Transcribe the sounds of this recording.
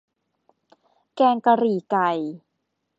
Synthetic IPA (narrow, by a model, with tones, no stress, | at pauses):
kɛː˧ŋka˧ɾiː˨˩ka˨˩j